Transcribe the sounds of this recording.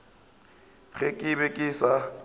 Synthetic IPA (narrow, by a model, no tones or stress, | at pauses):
ɣɛkʼɪbɛkʼɪsa